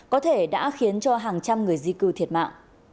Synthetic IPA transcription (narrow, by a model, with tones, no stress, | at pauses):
kɔ˨˦t̪ʰe˧˩ɗa̰ː˧˥xi˨˦ənt͡ɕɔ˧ɦaː˨˩ŋt͡ɕa˧mŋɨ˨˩əjzi˧kɨ˨˩t̪ʰi˨˩ət̚ma̰ː˧˨ŋ